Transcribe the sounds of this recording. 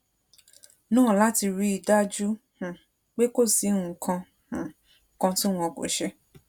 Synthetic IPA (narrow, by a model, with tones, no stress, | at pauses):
nũ˦˨la˦ti˧ɾi˧i˨da˦d͡ʒu˦ | h̩˨ | k͡pe˦ko˦˨si˨˦ũ˦˨kʰã˧ | h̩˨ | kã˧ti˦w̃ɔ̃˧ko̰˨ʃɛ˧